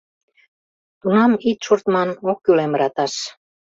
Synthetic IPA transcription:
t̪unɑmit̪ʃurt̪mɑnokːylemɾɑt̪ɑʃ

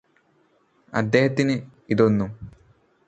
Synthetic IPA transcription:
ɐ̰d̪ːeːhɐt̪ːinɨiðonːum

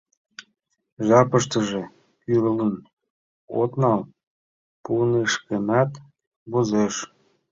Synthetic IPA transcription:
ʒɑpəʃt̪əʒe | kyɾələn | o̰t̪nɑl | puneʃkemɑt̪ | βozeʃ

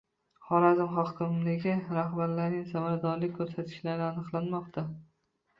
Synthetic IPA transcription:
χɒɾazɪmɦɒkʲʰɪmlɪɡʲɪɾahbaɾlaɾnɪŋsamaɾad̪ɒɾlɪk̚ʲkʰːɵɾsat̪ʰɪ̥ʃlaɾɪanɨqlˠanmɒqt̪ʰa

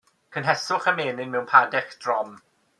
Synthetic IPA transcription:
kʰənɦɛsʊχəmeːnɪnmɛwnpʰadɛkd̥rɔm

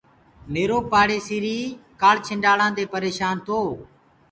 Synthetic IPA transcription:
meːɾoːpaːɽeːsiːɾiːkaːɽt͡ʃʰɪɳɖaːɽãːd̪eːpəɾeːʃaːnt̪ʰoː

